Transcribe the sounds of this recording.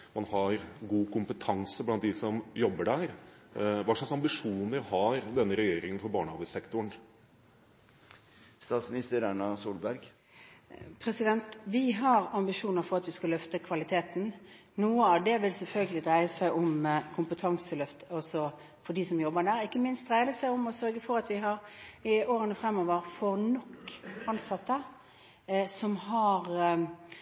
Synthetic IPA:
mɑnhɑɾɡuːkʰʊmpət̪ʰɑŋsəblɑnt̪̚d̪ɪsɔmjɔbːəɖæːɾ | ʋɑːʂlɑksɑmbɪʂuːnəɾhɑɾd̪ɛnːəɾɛjeːɾɪŋənfɔɾbɑːɳɑʋəsɛkt̪ʊɳ | st̪ɑːt̪smɪnɪst̪əɾæɳɑsuːlbæɾɡ | pʰɾɛsɪd̪ɛnt̪ʋɪɦɑɾɑmbɪʂuːnəɾfɔʁɑt̪ʋɪskɑlœft̪əkʰʋɑlɪt̪ʰeːt̪n̩ | nuːəɑːʋd̪ɛʋɪlsɛlfœlɡəlɪd̪ʁæɪəsæɪʔʊmkʰʊmpət̪ʰɑŋsəlœft̪əɔsɔ | fɔɖ̪iːsɔmjɔbːəd̪æːɾɪkːəmɪnst̪̚d̪ʁæɪd̪əsæɪʊmɔsœɾɡəfɔɾɑt̪ʋɪɦɑʁɪoːɾənəfɾɛmːɔːʋəɾfɔʁnɔkːɑnsɑt̪ːə | sɔmhɑʁ

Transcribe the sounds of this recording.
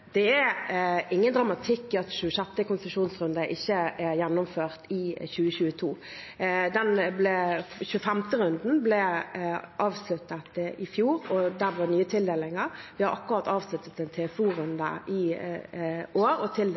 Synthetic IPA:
d̪̥ɛæɾɪŋːənd̪ɾɑmɑt̪ʰɪkːɪɑt̪ʃʉːəɕɛt̪ːəkʊnsʂuːnsʁʉnd̪əʔɪçːəʔæɾjɛnːɔmføːʁt̪ɪçʉːəɕʉːət̪ʰuː | d̪ɛnblɛçʉəfɛmt̪əɾʉnd̪n̩blɛ | ʔɑːʋslʉt̪ːət̪ʔɪfjuːɾɔd̪æʋɑnyːət̪ʰɪld̪eːlɪŋəɾʋɪhɑɾʔɑkːʊɾɑt̪ːɑːʋslʉt̪ːət̪ɛnt̪ʰeːfuːɾʉnd̪ə̰ʔɪ | oːɾɔt̪ʰɪl

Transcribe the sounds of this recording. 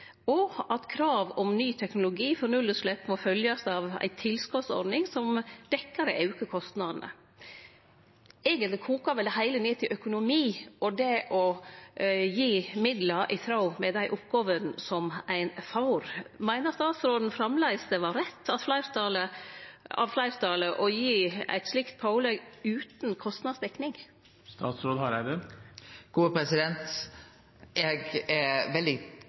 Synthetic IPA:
ɔʔɑt̪kʰɾɑːʋɔmnyːt̪ʰɛknʊlʊɡiːfɔɾnʉlːəʂlɛpːmɔfœljɑsɑʋæ̰ɪt̪ʰɪlskɔt̪sɔ̰ɾnɪŋsɔmd̪̥ɛkːəɾəʔɑʉkəkʰɔst̪nɑd̪nə̰ | eːɡənt̪lɪkʰuːkɑʋɛlhæɪləneːt̪ʰɪlʔœkʊnʊmiːɔd̪ɛʔɔ | jiːmɪd̪lɑɾʔɪ̰t̪ʰɾɑʊmɛd̪æɪʔʊpɡoːʋənsɔmæɪnfɑʊɾmæɪnəɾst̪ɑːt̪sɾoːd̪n̩fɾɑmlæɪsd̪əʋɑɾɛt̪ʰːɑt̪flæɪɾt̪ɑlə | ɑ̰ʋflæɪɾt̪ʰɑləʔɔjiːæ̰ɪt̪slɪkt̪̚pʰɑʊleɡʉːt̪n̩kʰɔst̪nɑːsd̪ɛknɪŋ | st̪ɑːt̪sɾoːd̪hɑɾæd̪ɛ | ɡ̥uːəpʰɾɛsɪd̪ɛnt̪ | ɛɡæʋɛld̪ɪ

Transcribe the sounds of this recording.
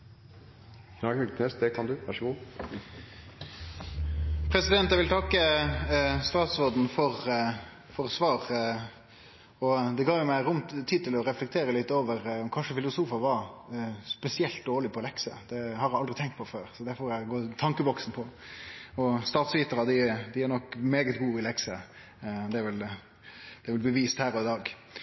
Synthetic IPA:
nɑkəkʰneːsd̪ɛkʰɑnd̪ʉʋæʂəɡuː | pʰɾɛsɪd̪ɛnt̪jæɪʋɪlt̪ʰɑkːə | st̪ɑːt̪sɔd̪n̩fɔɾ | fɔɾsʋɑːʁ | ɔd̪ɛɡɑːʋjʊmæɪɾʊmt̪ʰːiːd̪̚t̪ɪlɔɾɛflɛkt̪ʰeːɾəlɪt̪ːoːʋəɾɔmkʰɑnʂəfɪlʊsuːfɑʋɑ | spɛsɪɛlt̪̚d̪oːɾɭɪpʰɔlɛksə̰d̪̥ɛhɑɾjæɑld̪ɾɪt̪ʰɛŋkt̪pʰɔføːɾsɔd̪æɾfɔɾæɪɡoːt̪ʰɑŋkəbɔksn̩pʰɔ | ɔst̪ɑːt̪sʋiːt̪əɾɑd̪ɪd̪ɪæɾnɔkːmeːɡət̪ɡuːɪlɛksə | d̪ɛæɾʋɪl | d̥̪ɛɛɾʋɪlbəʋiːst̪hæːɾɔɪd̪ɑːɡ

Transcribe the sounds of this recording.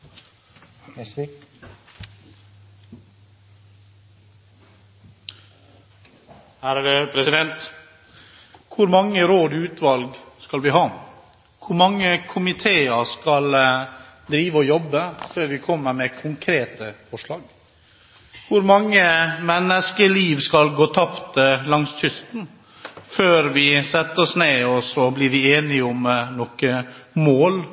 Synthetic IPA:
hæːɾdɛpʰɾɛsɪd̪ɛnt̪ | kʰʊɾmɑŋːəɾoːd̪ʉːt̪ʰʋɑlɡskɑlʋɪɦɑː | kʰʊɾmɑŋːəkʰʊmɪt̪ʰeːəɾskɑl | d̪ɾiːʋəɔjɔbːəføːɾʋɪkʰɔmːəɾmɛkʰʊŋkʰɾeːt̪əfɔʂlɑːɡ | kʰʊɾmɑŋːəmɛnːəskəliːʋskɑlɡoːt̪ʰɑpt̪lɑŋsc͡çʏst̪n̩ | føːɾʋɪsɛt̪ːəɔsneːɔsɔblɪɾʋɪeːnɪʊmnɔkəmoːl

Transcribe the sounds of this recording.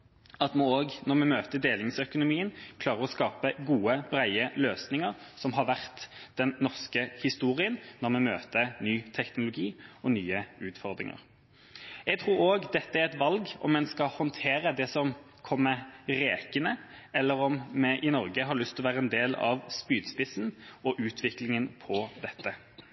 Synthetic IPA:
ɑt̪mnoːɡnɔʁmɛmøːt̪əd̪eːlɪŋsœkʊnʊmiːənkʰlɑːʁəʁɔskɑːpəɡuːəb̥ɾæɪəløːsnɪŋəʁsɔmɦɑɾʋæʁt̪d̪̥ɛnːɔʁskəhɪst̪uːɾɪənnɔʁmɛmøːt̪ənyːt̪ʰɛknʊlʊɡiːɔnyːəʉːt̪fɔʁd̪ʁɪ̰ŋə̰ʁ | ɛɡt̪ʰɾuːɾoːɡd̪ɛt̪ːəæɾʁɛt̪ʋɑlɡɔ̰mːɛnskɑhɔnt̪ʰeːɾəd̪ɛsɔm | kʰɔmːəɾeːkənə | ɛlːəɾɔmmɛʔɪnɔʁɡəɦɑɾɭʏst̪ʰɔʋæːʁəɛnd̪eːlɑ̰ʋspyːd̪spɪsn̩ɔʔʉːt̪ʰʋɪklɪŋənpʰɔd̪ɛt̪ːə

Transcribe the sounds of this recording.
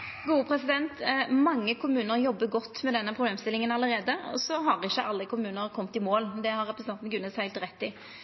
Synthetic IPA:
ɡuːəpʰɾɛsɪd̪ɛnt̪mɑŋːəkʰʊmʉːnəɾjɔbːəɡɔt̪ːmɛd̪ɛnːəpʰɾʊbleːmst̪ɪlːɪŋənɑləɾeːd̪əɔ̰sɔɦɑʁɪçːəʔɑlːəkʰʊmʉːnəɾkʰɔmt̪ɪmoːld̪ɛhɑɾʁɛpɾəsnɑnt̪n̩ɡʉnːəshæɪlt̪ɾɛt̪ːɪ

